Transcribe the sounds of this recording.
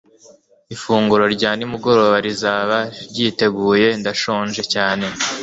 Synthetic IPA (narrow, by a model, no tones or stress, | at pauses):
ifuːŋɡuɾo̞ɾɟaːnimuɡo̞ɾoββaɾizaːβaɾɟite̞ɡuːje̞ndaʃoːnʒe̞caːne̞